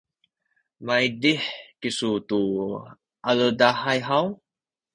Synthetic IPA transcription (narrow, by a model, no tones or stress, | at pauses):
majdiħkisut̪u | ʔalədahajɦaw